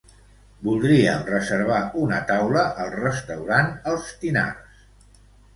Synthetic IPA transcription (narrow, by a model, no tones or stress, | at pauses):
bulˠd̪ɾiəmrəzəɾβ̞aunət̪awləʔəlˠrəst̪əwɾanəlˠst̪ina̰rs